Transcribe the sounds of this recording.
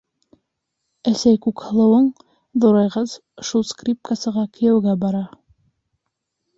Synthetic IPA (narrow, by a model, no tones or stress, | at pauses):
æsæjkʉkhɤ̆lˠɤ̆wɤɴ | ðoɾɑjʁɤz | ʃulˠskrʲip̚kasɤ̆ʁɑkɵ̆jæwɡæbɑɾɑ